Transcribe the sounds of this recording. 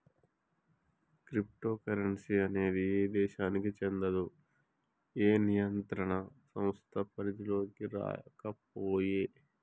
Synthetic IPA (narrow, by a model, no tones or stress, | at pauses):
kɾip̚ʈo̞ːkɐɾɐɳsiɐne̞ːd̪ieːd̪ɛːʃaːnikit͡ʃend̪ɐd̪u | eːnijɐnt̪ɾɐɳɐsɐ̃mst̪ʰɐpɐɾid͡ʒ̪ilo̞ːkiɾa̰ːkɐp̚oːjeː